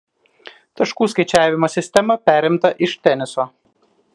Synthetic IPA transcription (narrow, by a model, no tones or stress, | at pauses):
t̪ɐʃkuːskɐɪt͡ʃʲæːʋʲɪmoːsʲɪsʲt̪ʲɛmɐpʲæːɾʲɪmt̪ɐʔɪʃt̪ʲɛnʲɪsoː